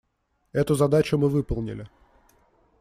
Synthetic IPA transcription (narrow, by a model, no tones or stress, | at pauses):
ɛt̪ʊzɐd̪at͡ɕʊmɨvɨpəlˠnʲɪ̰lʲɪ